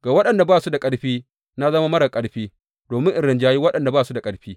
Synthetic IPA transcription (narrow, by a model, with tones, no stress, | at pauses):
ɡ̥aː˨wɐ˦ɗɐ˨nda˨baː˦˨su˦da˨kʼɐ˦ɽɸiː˦ | na˦zɐ˦ma˦mɐ˦ɽɐ˨kʼɐ˦ɽɸiː˦ | doː˨mɪ˦ŋʔɪ˨ɽɪ˨nd͡ʒaː˦ji˦wɐ˦ɗɐ˨nda˨baː˦˨su˦da˨kʼɐ˦ɽɸiː˦